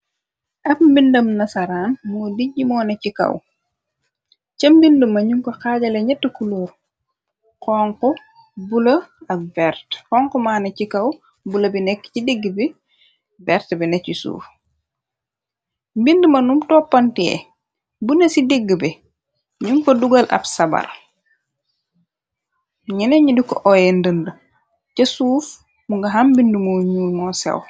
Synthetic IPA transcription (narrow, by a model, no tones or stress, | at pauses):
ʔɐpmbindɐmnɐsɐɾaːnmoːdiɟimɔːnɐcikɐ̰w | t͡ʃɐmbindumɐɲuŋkɐxaːɟɐleɲɛtːukuloːɾ | kɔŋkɔ | bulɐɐvɛɾtkɔŋkumaːnɐcikɐw | bulɐbinɛkːcideɡːbi | vɛɾtbinɐcisṵːf | mbindəmɐnumtɔːpːɐntiɛ̰ | bunɐsideɡːəbɛ | ɲuŋkoduɡɐlʔɐ̰bsɐbɐ̰ɾ | ɲineɲidikɔʔɔjendəndə | cɐsuːf | muŋɡɐɦambindumoɲuːjmɔːsɛ̰w